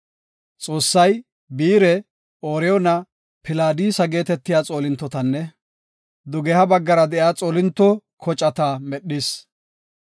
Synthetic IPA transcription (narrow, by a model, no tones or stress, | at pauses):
t͡sʼo̞ːsːɐj | biːɾɛ | oːɾɛjɔnɐ | pɪlaːd̪iːsɐɡe̞ːt̪ɛt̪ːɪjaːt͡sʼo̞ːlɪnt̪ːɔt̪ɐnːɛ | d̪ʊɡɛhɐbɐɡːɐɾɐd̪ɛʔjaːt͡sʼoːlɪnt̪ːɔkʰɔt͡ʃʼɐt̪amɛɗːɪs